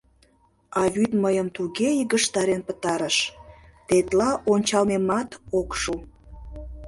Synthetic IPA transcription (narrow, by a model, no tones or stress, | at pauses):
ɑβyt̪məjəmt̪uɣeiɣəʃt̪ɑɾenpə̥t̪ɑɾəʃt̪et̪lɑʔonʲt͡ɕɑlmemɑt̪okʃu